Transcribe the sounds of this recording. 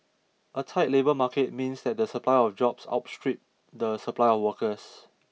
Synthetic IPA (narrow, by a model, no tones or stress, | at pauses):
ʔətʰaɪt̚lebəmaket̚mĩnsdɛt̚dəsəpʰlaɪɔfd͡ʒɔpsa̰ʊt̚stɹip̚ | dəsəplaɪɔfwəkəs